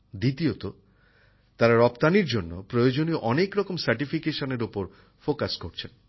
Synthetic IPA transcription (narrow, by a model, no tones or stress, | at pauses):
d̪it̪iot̪o | t̪aɾaɾɔpt̪aniɾd͡ʑonːopɾojod͡ʑonioʔɔnekɾɔkomsaɾʈifikeʃoneɾupoɾ | fokaskoɾt͡ɕʰen